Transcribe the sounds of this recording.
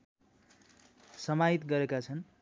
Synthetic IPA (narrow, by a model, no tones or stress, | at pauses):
sʌmait̪ɡʌɾekat͡sʰʌn